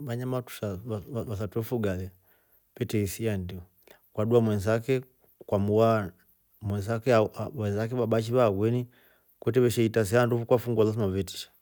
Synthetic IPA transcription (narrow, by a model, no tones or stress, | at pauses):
βaɲamatu̥ʃaaβas̬atwɛfuɡalɛ | pɛtɛisiandiɔ | kwaɗuamwɛnzakɛ | kwamuwa | mwɛnzakɛaɛnzak̬ɛβabat͡ʃiβaɡwɛni | kwɛtɛβɛʃɛitas̬iandufukwafuŋɡalas̬imavɛti̥ʃḁ